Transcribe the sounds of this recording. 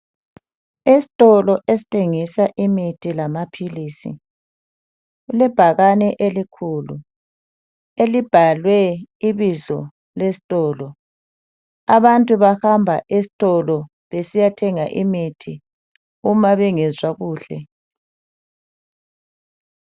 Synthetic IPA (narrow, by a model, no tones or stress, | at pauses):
isi̥tʼɔlɔʔesi̥tʰʼeŋisaʔimitʰilamapʰiliːsḭ | ɣulɛb̥ʱaɣanɛʔelikʰuːlṵ | elib̥ʱalwɛiβizɔ | lesi̥tʼɔːlɔ | aβantʼuβahambʱa̰ʔes̬i̥tʼɔlɔ | βesijatʰɛŋaʔimitʰi | umaβɛŋɛzwaɣuːɬɛ̰